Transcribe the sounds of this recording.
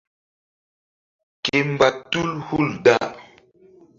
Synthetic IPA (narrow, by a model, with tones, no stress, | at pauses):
ke˨m̩˨ba˨tu˦lhu˦˨lda̰˦˨